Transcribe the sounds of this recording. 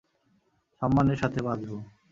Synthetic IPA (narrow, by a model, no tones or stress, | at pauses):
ʃɔmːaneɾʃat̪ʰebad͡zbo